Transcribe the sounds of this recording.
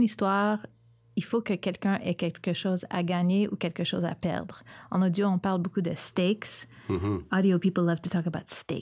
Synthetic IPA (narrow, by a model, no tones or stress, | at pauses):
nist̪waːʁ | ilfokəkʲɛlkʲœ̃ʔɛkʲɛlkəʃoːza̰ɡaːɲeʔukʲɛlkəʃoːza̰pɛ̰ʁd̪ʁɑ̃nod̪joɔ̃paʁlbokud̪əst̪eks | ɑd̪iopipl̩ˠːʌv̥t̪ut̪ɔkəbaʊt̪st̪ḛ